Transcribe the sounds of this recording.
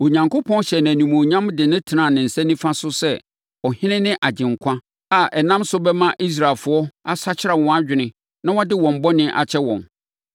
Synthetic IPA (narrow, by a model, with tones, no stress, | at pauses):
o˨ɲã˨ŋkʰʊ˦pʰɔ̃˦n˦ɕɛ˨n˨æ̃˨nũ˨mo˨ɲã˦mdɪ˨nɪ̃˦tʰɪ˨nã˨nɪ̃˨n̩˨sɛ̃˦nĩ˦fã˦sʊ˦sɛ˦ | ɔ˨hɪ̃˦nɪ̃˦nɪ̃˦ʔa˨d͡ʑɪ̃˨ŋ̩˨kʷʰã˦ | a˨ɛ˨nã˦msʊ˦bɛ˦mã˦ʔi˦s̬ɾa˨lfʊ˨˦ɔ˦a˦sa˦t͡ɕʰɪ˦a˨wɔ̃˨˦a˦d͡ʑᶣɪ˨nɪ̃˨ | nã˦wɔ˦dɪ˦wɔ̃˨m̩˨˦bɔ˦nɪ̃˦ʔa̰˨t͡ɕʰɛ˦wɔ̰̃˨n